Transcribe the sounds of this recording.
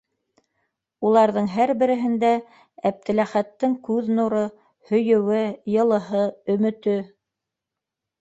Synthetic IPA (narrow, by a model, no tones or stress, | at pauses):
ulˠɑɾðɤɴɦæɾbɘ̆ɾɘ̆ɦɘ̆nd̪æ | æp̚t̪ɘ̆læχæt̪ːɘŋkʉðnuɾɤ | hɵ̆jɵ̆wɘjɤ̆lˠɤ̆ɦɤɵ̆mɵ̆t̪ɵ